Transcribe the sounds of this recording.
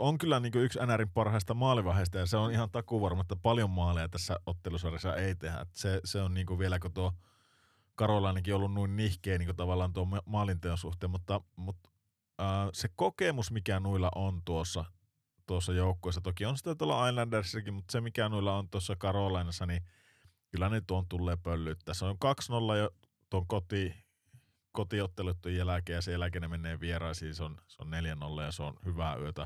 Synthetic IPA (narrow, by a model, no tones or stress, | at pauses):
oŋkylːæniːŋkøyksænæɾimpɑrhɑˑist̪ɑmɑːliʋɑheˑst̪ɑjɑseonihɑnt̪ɑkuʋɑrmɑt̪ːɑpɑljomːɑːliɑt̪æsːæot̪ːelusʋɑresːɑ̰eˑit̪ehæ̰t̪ːseseonniːŋkuʋielækot̪uo | kɑrolɑˑinɑkiolːunnuinnihkˑeˑːniːŋkot̪ɑʋɑlːˑɑːnt̪uommɑːlint̪eonsuht̪ˑeːmut̪ːɑmut̪ | əːsekokemusmikænuilːɑ̰ʔont̪uosːɑ | t̪uosːɑjoˑukːoˑesːɑt̪okionsi̥t̪ːæt̪uolːɑɑˑinlænderisːækimmut̪ːsemikænuilːɑont̪uosːɑkɑrolɑˑinɑsːɑni | kylːænyt̪uohont̪ulːeːpølːyt̪ːæːseoŋkɑksnolːɑjo | t̪uoŋkot̪i | kot̪iot̪ːeluet̪ːujjælækeːjɑsejælækenemenˑeːʋierˑɑˑisiːnseonseonneljæno̰lːɑjɑseo̰nhyʋæyøt̪æ